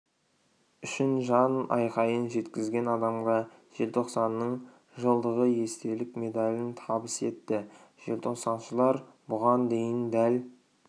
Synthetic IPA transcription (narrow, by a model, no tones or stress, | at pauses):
ʏʃɪnʒɑnɑ̰jqɑjənʒe̞t̪kʲɪzɡʲe̞nɑd̪ɑmʁɑʒ̥e̞lt̪ʰo̞qsɑnːəɴ | ʒəlˠd̪əʁəje̞st̪e̞lɪkme̞d̪alʲɪnt̪ʰɑbəse̞t̪ːɪʒ̥e̞lt̪ʰo̞qsɑnʃəlˠɑɾ | bʊʁɑnd̪e̞jɪnd̪æl